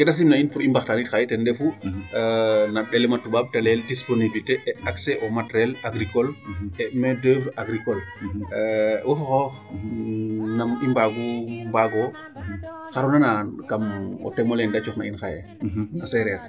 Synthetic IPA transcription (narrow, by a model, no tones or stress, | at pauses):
kɛdas̬imnainfuɾimbaxtanitxajɛtɛndɛfu | naɗɛlɛmatːubab̚talɛldisponibilteʔɛaksɛʔɔmatɾɛlaɡɾikɔlɛmɛdɛvaɡɾikɔl | wɔxɔxɔx | namimbaɡumbaɡɔ | xaɾunanakamɔ̰tɛmɔlɛndat͡ʃɔknainxajɛ | nasɛɾɛɾ